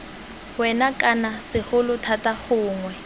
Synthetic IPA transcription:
wɛnakʼanasɪχʊlʊtʰataχʊːŋwɛ

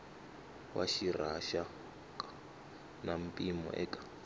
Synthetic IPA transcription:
wʔa̰ʃiraʃa | kʼa | nam̩pʼimɔ̰ʔɛ̰kʼḁ

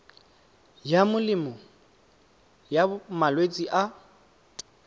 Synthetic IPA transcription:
jamʊlɪmɔ | jamalwet͡sʼiʔa

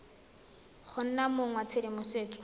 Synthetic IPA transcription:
χʰʊn̩namʊŋwat͡sʰedɪmʊseːkɔ̥

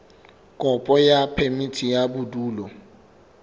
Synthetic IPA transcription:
kʼɔpʼɔjapʰɛmitʰijabuduːlɔ

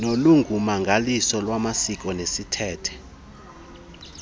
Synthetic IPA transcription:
noluŋʱumaŋɡʱalisɔlwamasik̬ʼɔnesitʰɛːtʰɛ̥

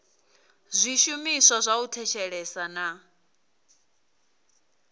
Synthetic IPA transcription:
zʷiʃumisazʷautʰɛʃɛɺɛsana

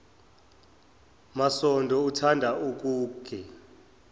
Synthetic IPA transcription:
masɔndʱɔutʰandʱauk̬ʼuːkʰɛ

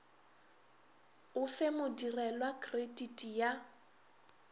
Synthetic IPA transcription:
ʊfɛmʊdirɛlwakreditʼija

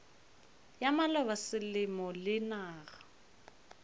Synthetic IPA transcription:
jamalɔbasɪlɪmɔlɪnaːɣa

